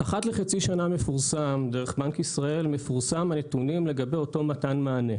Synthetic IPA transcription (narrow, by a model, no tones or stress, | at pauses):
ʔaχatleχat͡siʃaname̞fuʁsamde̞ʁ̞eχbankisʁae̞lme̞fuʁsamanetunimle̞ɡabe̞jo̞to̞matanmaːne̞